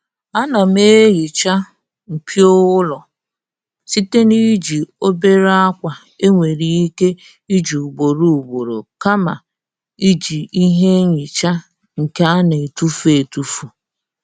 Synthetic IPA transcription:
a˦na˨me˦ɣi˨t͡ʃa˦ | m̩˨pʰi˦o˦wʊ˦lɔ˨ | si˦te˦ni˦d͡ʒi˨o˦be˦ɾa˦kʷa˨ | e˦ŋʷe˨ɾi˨i˦ke˦ | i˦d͡ʒu˨u˨ɡ͡bo˨ɾu˦˨u˨ɡ͡bo˨ɾo̰˨ka˦ma̰˨ | i˦d͡ʒi˨i˦ɦe˦ɲi˨t͡ʃa˦ | ŋ̩˨ke˦a˦ne˨tu˦fe˨tu˦fu˨

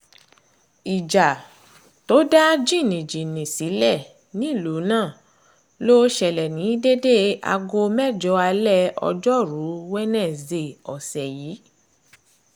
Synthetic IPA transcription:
i˨d͡ʒa˨ | to˨˦da˦d͡ʒi˦˨nĩ˨d͡ʒi˨nĩ˨si˨˦lɛ˦˨ | nĩ˦˨lu˨˦nãː˦˨ | lo˦ʃɛ˨lɛ˨nĩ˨˦de˦de˦a̰˧ɡo˧mɛ˦˨d͡ʒɔ˧˦a˧lɛ˦ɔ̰˧d͡ʒɔ˦ɾu˨˦wɛ˦nɛ̃˦˨ze˧˨ɔ˨sɛ˨jiː˨˦

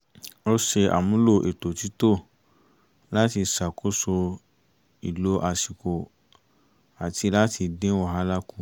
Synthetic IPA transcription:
o˦ʃe˧a̰˨mũ˦lo˦˨ʔe˨to˨ti˦to˦˨ | la˦ti˧sa˨ko˦so˧ | i˨lo˧˦ʔa˨si˨ko˨ | a˨ti˧la˦ti˧dẽ˦wɔ˦˨ɦa˧˦la˦kũ˦

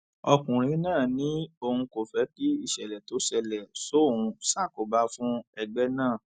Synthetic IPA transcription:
ɔ˧kũ˨ɾ̃ĩ˨˦nãː˦˨nĩ˨˦o˧hũ˧ko˨fɛ˨˦ki˦i˦˨ʃɛ˨lɛ˨to˨˦ʃɛ˧lɛ˨so˦˨hũ˧sa˦˨ko˨ba˨˦fũ˦ɛ˧ɡ͡bɛ˦nãː˦˨

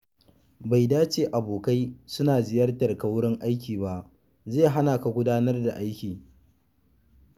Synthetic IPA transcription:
ba˨jdaː˦t͡ʃeː˨ʔa˨boː˨ka˦jsʊ˦naː˨zɪ˦jɐ˦rtɐ˨rka˨wʊ˦ɽɪ˦ŋʔa˦jkʲiː˨ba˦˨ʔ | zeː˦˨ɦa˦naː˨ka˨ɡʷʊ˦daː˦nɐ˦rda˨ʔa˦jkʲiː˨

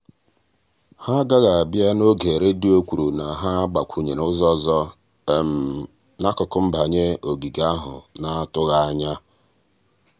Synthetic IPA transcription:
ha˦ɡa˦ɣa˨a˨bja˦no˦ɡe˨ɾe˦di˦o˦kʷu˨ɾu˨na˨ɦa˦ɡ͡ba˨kʷʰu˨ɲe˨nʊ˦zɔ˦zɔ˦˨ | m̩˨ | na˦kɔ˨kʊ˦m̩˦ba˨ɲe˦o˨ɡi˨ɡa˦ɦʊ̰˨na˦a˦tʊ˦ɣa˦a˦ɲa˦

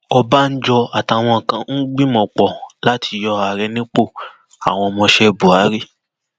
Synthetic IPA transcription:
ɔ˧ba˦n̩˦d͡ʒɔ˧a˨ta˧˨w̃ɔ̃˧ŋ̩˨kã˧n̩˦ɡ͡bi˦mɔ̃˧˨k͡pɔ˨la˦tʰi˧jɔ˧a˧˨ɾɛ˧nĩ˦k͡po˦˨ | a̰˨w̃ɔ̃˧mɔ̃˧ʃɛ˧bu˨a˨˦ɾi˦

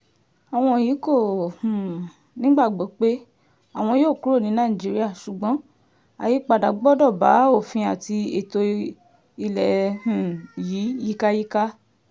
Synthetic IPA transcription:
a˨w̃ɔ̃˧˨ji˨˦ko˦˨hũ˨ | nĩ˦ɡ͡ba˦˨ɡ͡bo˨˦k͡pe˦ | a˦˨w̃ɔ̃˧joː˦˨ku˨˦ɾo˦˨nĩ˨˦nã˦˨d͡ʒi˨˦ɾi˦a˦˨ʃu˨ɡ͡bɔ̃˨˦ | a̰˨ji˨˦k͡pa˧˨da˨ɡ͡bɔ˦dɔ˦˨ba˨˦o˦˨fĩ˧a˨ti˧e˨to˧ | i˧lɛ˨hũ˨jiː˨˦ji˦ka˦ji˦ka˦

